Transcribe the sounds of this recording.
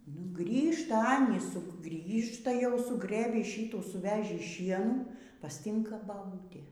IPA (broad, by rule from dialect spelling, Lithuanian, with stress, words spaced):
nʊ ˈɡrʲiːʃtɐ ˈɑːnʲiːs ˈsʊ ˈɡrʲiːʃtɐ jɛʊ sʊˈɡrɘbʲiː ˈʃʲiːuː sʊˈʋʲæːʒʲiː ˈʃʲiɛnuː pɐsʲˈtʲɪŋkɐ bɐˈbuːtʲeː